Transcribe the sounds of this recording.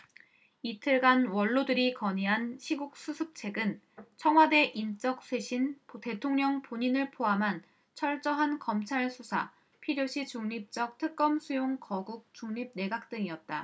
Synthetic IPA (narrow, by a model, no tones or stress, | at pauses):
itʰɯɭɡanwʌɭːodɯɾikʌɲiɦanɕʰiɡuk̚s͈usʰɯp̚t͡ɕʰe̞ɡɯn | t͡ɕʰʌŋɦwade̞ʔint͡ɕ͈ʌk̚s͈ʰweɕʰinte̞tʰoŋɲʌŋpoɲinɯɭpʰoamɦan | t͡ɕʰʌɭt͡ɕ͈ʌɦankʌmt͡ɕʰaɭsʰusʰa̰ | pʰiɾjoɕʰit͡ɕuŋɲip̚t͡ɕ͈ʌk̚tʰɯk̚k͈ʌmsʰujoŋkʌɡuk̚t͡ɕ͈uŋɲip̚ne̞ɡak̚t͈ɯŋiʌt̚t͈a